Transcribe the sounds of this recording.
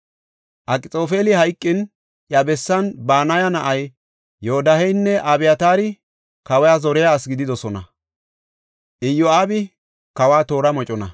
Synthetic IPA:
ʔɐkʼɪt͡sʼo̞ːfeːlɪhɐjkʼːɪn | ʔjɐbɛsːɐnbaːnɐjɐnɐʔɐj | joɔd̪ɐhɛjnːɛʔɐbɪjɐt̪aːɾɪ | kɐwɛjazɔɾɛjaːsɡɪd̪ɪd̪ɔsɔnɐ | ʔɪjɔaːbɪ | kɐwaːt̪o̞ːɾɐmɔt͡ʃʼɔnɐ̰

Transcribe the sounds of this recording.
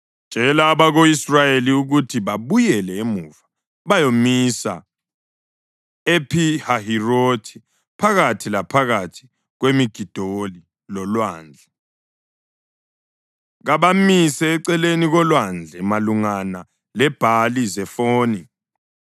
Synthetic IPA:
n̥d͡ʒʒ̥ʱɛlaːβaɣoisrajeliuɣutʰiβaβujɛlɛemuːva | βajomisa̰ | epʰihahirotʰi̥ | pʰaɣatʰilapʰaɣatʰi̥ | ɣwemiɡ̥ʱid̥ʱoli | lɔlwaːnd͡ɮʱɛ | ɣaβamisɛːǀɛleniɣɔlwand͡ɮʱɛmaluŋana | lɛb̥ʱalizɛfoːni

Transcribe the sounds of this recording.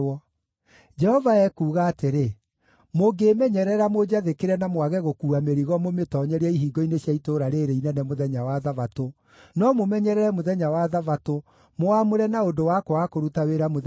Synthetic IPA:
ɔ | d͡ʒɛhɔvaɛkuːɣaːteɾe | moɡeːmɛɲɛɾɛɾamod͡ʒaðekeɾɛnamwaɣɛɣokuːameɾiɣɔmometɔːɲɛɾiɛiɦiːɡɔineɕjaitoːɾaɾeɾeinɛnɛmoðɛɲawaðavato | nɔmomɛɲɛɾɛɾɛmoðɛɲawaðavato | moamoɾɛnaondowakoakoɾutaweɾamo

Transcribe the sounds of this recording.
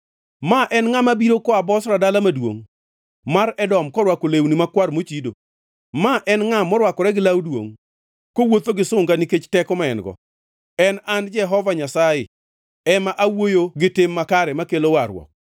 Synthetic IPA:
maʔɛnŋamabiɾokɔabɔsɾadalamadwo̰ŋ | maɾɛdɔmkɔɾwakolewnimakwaɾmot͡ʃido̰ | maʔɛnŋamɔɾwakɔɾɛɡɪlawdwo̰ŋ | kowot̪oɡɪsʊŋɡaniket͡ʃtɛkɔmaɛnɡɔ̰ | ɛnand͡ʒɛɦɔvaɲasajɪ | ɛmaʔawojoɡɪtɪmːakaɾɛmakelowaɾwɔ̰k̚

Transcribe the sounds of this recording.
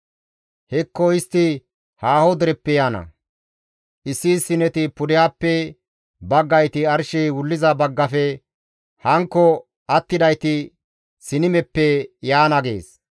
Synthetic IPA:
hɛkːɔɪst̪ːɪ | haːhɔd̪ɛɾɛpːɛjaːnɐ̰ | ʔɪsːisɪnɛt̪ɪpʊd̪ɪjapːɛ | bɐɡːɐjt̪ɪɐɾʃɛwʊlːɪzɐbɐɡːɐfɛ | hɐŋkːɔ | ɐt̪ːɪd̪ɐjt̪ɪ | sɪnɪmɛpːɛjaːnɐɡḛːs

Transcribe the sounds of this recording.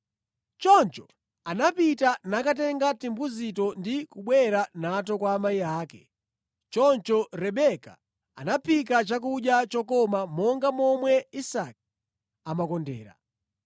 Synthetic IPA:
t͡ʃɔnt͡ʃɔ | anapitanakatɛŋɡatimbuzitɔndikuɓwɛɾanat̬ɔkwaːmaiaːkɛ | t͡ʃɔnt͡ʃɔɾɛɓɛka̰ | a̰napʰikat͡ʃak̬uɗjat͡ʃɔkɔmamɔŋɡamɔmwɛisak̚ | amakɔndɛ̰ːɾa̰

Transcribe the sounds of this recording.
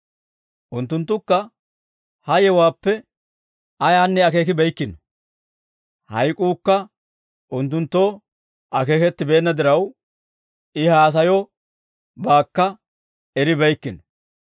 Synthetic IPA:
ʔʊnt̪ːʊnt̪ːʊkːɐ | hɐjɛwaːpːɛ | ʔɐjaːnːɛɐke̞ːkɪbɛjkːɪnɔ | hɐjkʼuːkːɐ | ʔʊnt̪ːʊnt̪ːo̞ː | ʔɐke̞ːkɛt̪ːɪbe̞ːnːɐd̪ɪɾɐw | ɪhaːs̬ɐjɔ | baːkːɐ | ɛɾɪbɐjkːɪnɔ

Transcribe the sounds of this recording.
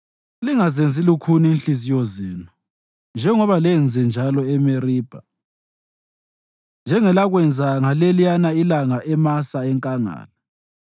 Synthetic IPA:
liŋazend͡zʱilukʰuniːnɬizijɔzeːnu | nd͡ʒʱɛŋɔβalɛnd͡zʱɛnd͡ʒʱalɔɛmeriːb̥ʱa | nd͡ʒʱɛŋɛlaɣwɛnd͡zʱaŋalelijanailaŋaʔɛmasaɛŋkʼaŋa̰ːla

